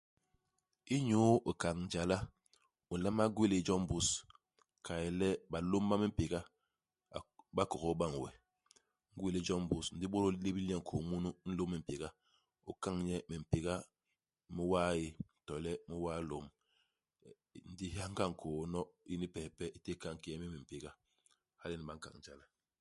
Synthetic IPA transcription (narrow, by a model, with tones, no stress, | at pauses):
i˦ɲo˦o˨ka˨ŋn̩˨d͡ʒa˨la˦ | u˨n̩˨la˦ma˦ɡwe˦le˨˦d͡ʒɔ˦m˦bu˨s | kʰa˨ji˨lɛ˦ba˨lo˦m˦ba˦mi˦m̩˦pi˨ɡa˦˨ | ba˦kɔ˨ɣɔ˦ɓa˦˨ŋ˨wɛ̰˨ | ŋ̩˦ɡwe˦le˦d͡ʒɔ˦mbu˨sn̩˨di˦ɓo˦ɾo˦le˦bi˦lɲɛ˦ŋ̩˨kʰo˨mu˦nu˦n̩˦lo˦mɛ˨m̩˨pi˨ɡa˦ | u˦ka˦ŋɲɛ˦mi˨m̩˨pe˨ɡa˦ | mi˦wa˦ji˦˨tɔ˨lɛ˦mi˦wa˦lo˦m | n̩˨di˦ha˦ŋ̩˦ka˦˨ŋ̩˨kʰoː˨˦nɔ˦i˦ni˦pɛ˨pɛ˦i˦te˦ka˦˨ŋ˨ki˦jɛ˦mi˦mi˨m̩˨pi˨ɡa˦ | ha˦li˦ni˨ba˨˦ŋ̩˦ka̰˨ŋ̩˨d͡ʒa˦la˦